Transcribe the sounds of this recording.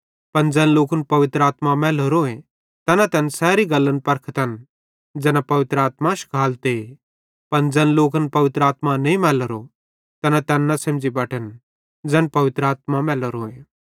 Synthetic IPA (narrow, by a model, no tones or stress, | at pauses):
pɐnd͡ʒɛnloːkənpɐʋɪt̪ɾaːt̪mamɛːləɾoẽ | t̪ɛnat̪ɛːnsɛːɾiɡɐlːənpɐɾkʰət̪ɐn | d͡ʒɛːnapɐʋɪt̪ɾəaːt̪maʃkʰaːlt̪e | pɐnd͡ʒɛnloːkənpɐʋɪt̪ɾəaːt̪manɐĩmɛːləɾo | t̪ɛnat̪ɛːnːɐsɐ̃md͡ʒibɐʈən | d͡ʒɛːnpɐʋɪt̪ɾəaːt̪mamɛːləɾoːẽ